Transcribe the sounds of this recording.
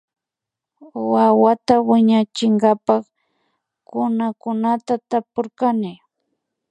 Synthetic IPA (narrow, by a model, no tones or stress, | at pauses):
wawat̪awɪɲat͡ʃɪŋɡapɑχ | kʊnakʊnat̪at̪apoɾkanɪ